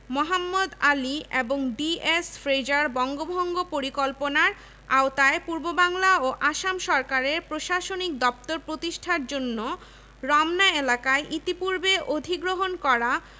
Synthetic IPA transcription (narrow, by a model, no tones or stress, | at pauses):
moɦamːod̪alieboŋɖiesfɾejd͡ʑaɾbɔŋɡobʱɔŋɡopoɾikolponaɾ | aot̪aepuɾbobaŋlaoʔaʃamʃɔɾkaɾeɾpɾoʃaʃonik̚d̪ɔp̚t̪oɾpɾot̪iʃʈʰaɾd͡ʑonːo | ɾɔmnaelakaeʔit̪ipuɾbeʔod̪ʱiɡɾoɦonkɔɾa